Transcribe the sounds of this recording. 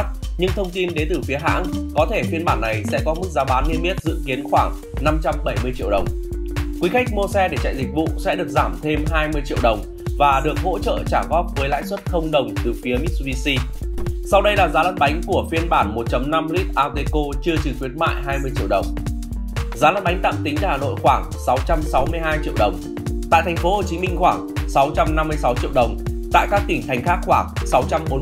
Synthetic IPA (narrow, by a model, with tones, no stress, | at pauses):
t̚ɲɨ˧ŋt̪ʰə˧wŋ͡mt̪i˧nɗe˨˦nt̪ɨ˨˩fi˨˦əɦa̰ː˧˥ŋkɔ˨˦t̪ʰe˧˩fi˧ənɓaː˧˩nːa˨˩jsɛ̰˧˥kɔ˨˦m˦˥k̚zaː˨˦ɓaː˨˦nːi˧əmi˦˥t̚zɨ̰˧˥˨ki˨˦ənxwaː˧˩ŋ | na˧mt͡ɕa˧mɓə˧˩jmɨ˧ət͡ɕḭ˧˨əɗə˨˩wŋ͡mkwi˨˦xa˦˥k̚mo˧sɛ˧ɗe˧˩t͡ɕa̰˧˨jzï˨˩k̟̚vṵ˧˨sɛ̰˧˥ɗɨ˨˩ək̚zaː˧˩mt̪ʰe˧mɦaː˧jmɨ˧əjt͡ɕḭ˧əwɗə˨˩wŋ͡m | vaː˨˩ɗɨ˨˩ək̚ɦo̰˧˥t͡ɕə̰ː˧˨t͡ɕaː˧˩ɣɔ˦˥p̚vəː˨˦jla̰ː˧˥jswt̚xə˧wŋ͡mɗə˨˩wŋ͡mt̪ɨ˨˩fi˨˦əmi˦˥t̚si˧si˧sa˧wɗə˧jlaː˨˩zaː˨˦lə̰˧˥n̚ɓa˨˦jŋ̟ku˧˩əfi˧ənɓaː˧˩nmo˨˩t̚t͡ɕə˨˦mna˧mli˦˥k̚ʔaː˧ɣe˧ko˧t͡ɕɨ˧ət͡ɕɨ˨˩t̪wi˨˦ət̚ma̰ː˧˨jɦaː˧jmɨ˧əjt͡ɕḭ˧əwɗə˨˩wŋ͡m | zaː˨˦lə̰˧˥n̚ɓa˨˦jŋ̟t̪a̰ː˧˨mt̪ï˨˦ŋ̟ʔa˧˩haː˨˩no̰˧˨jxwaː˧˩ŋsa˨˦wt͡ɕa˧msa˨˦wmɨ˧əjɦaː˧jt͡ɕḭ˧˨əwɗə˨˩wŋ͡m | t̪a̰ː˧˨jt̪ʰŋ̟fo˨˦ho˨˩t͡ɕi˨˦mï˧ŋ̟xwaː˧˩ŋsa˨˦wt͡ɕa˧mna˧mːɨ˧əjsa˨˦wt͡ɕḭ˧əwɗə˨˩wŋ͡mt̪a̰ː˧˨jkaː˦˥k̚t̪ï˧˩ŋ̟t̪ʰa˨˩ŋ̟xaː˦˥k̚xwaː˧˩ŋsa˨˦wt͡ɕa˧mɓo˨˦